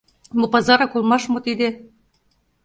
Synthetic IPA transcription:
mopɑzɑɾɑkolmɑʃmot̪id̪e

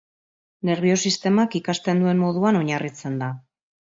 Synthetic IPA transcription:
ne̞ɾβ̞io̞sist̪e̞makikast̪e̞nd̪ue̞nmo̞ð̞uano̞ɲarit͡se̞nd̪a

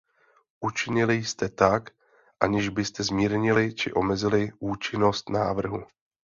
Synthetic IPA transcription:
ʔut͡ʃɪɲɪlɪjst̪ɛt̪ak | ʔaɲɪʒbɪst̪ɛzmiːɾɲɪlɪt͡ʃɪʔo̞mɛzɪlɪʔuːt͡ʃɪno̞st̪naːvr̩ɦu

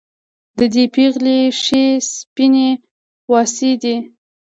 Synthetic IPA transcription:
d̪əd̪epeɣleʃespine | wɑsid̪i

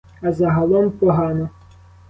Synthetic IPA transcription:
ɐzɐɦɐlˠɔmpɔɦɑnɔ

